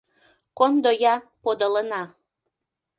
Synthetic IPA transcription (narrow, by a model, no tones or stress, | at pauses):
kond̪ojɑpod̪ələnɑ